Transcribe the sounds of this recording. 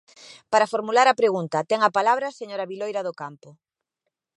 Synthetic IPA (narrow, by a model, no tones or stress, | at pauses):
paɾɐfoɾmulaɾɐpɾeɣunt̪ɐt̪ɛŋɐpalaβɾɐseɲoɾɐβilojɾɐðʊkampʊ